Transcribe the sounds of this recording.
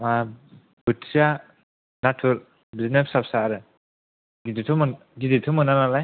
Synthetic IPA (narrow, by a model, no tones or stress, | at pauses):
a | b̥ɯtsia | natʰuɾ | biznepsapsaːɾɯ | ɡiditʰɯmɯ | ɡiditʰɯmɯnanalaj